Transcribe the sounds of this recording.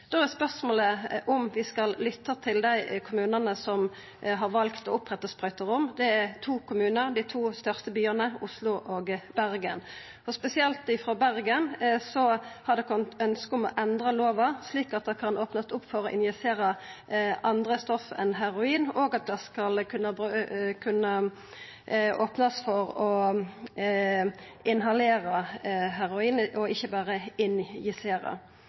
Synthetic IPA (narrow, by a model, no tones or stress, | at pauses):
d̪̥oːɛspœʁsmoːləʔɔmʋɪskɑllʏt̪ʰːət̪ʰɪld̪æɪkʰʊmʉːnənəsɔm | ɦɑʁʋɑlkt̪ɔʊpʁɛt̪ːəspʁœʏt̪əʁʊmd̪ɛæʁt̪ʰuːkʰʊmʉːnəʁd̪ɪt̪ʰuːst̪œʁst̪əbyːəʁnəʊslʊʔoɡbæʁɡən | ɔspɛsɪɛlt̪ɪfʁɔbæʁɡənsɔhɑd̪ɛkʰɔnt̪œnskəɔmɔ̰ʔɛnd̪ʁəloːʋɑsliːkɑt̪̚d̪ɛkʰɑnʔoːpnəsʊpːfɔʁɔʔɪ̰njɛseːɾə | ʔɑnd̪ʁəst̪ɔfɛ̰nɦæʁʊiːnoːɡɑt̪̚d̪ɛskɑlkʰʉnːəbkʰʉnːə | oːpnəsfɔʁɔ | ɪnɦɑleːɾəɦæɾʊiːnəʔɔɪçːəbæːʁəɪnjɪseːɾə̰